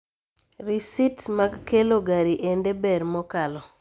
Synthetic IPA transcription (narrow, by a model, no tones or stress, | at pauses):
ɾisitmaɡkeloɡaɾiʔendebɛɾmɔkalɔ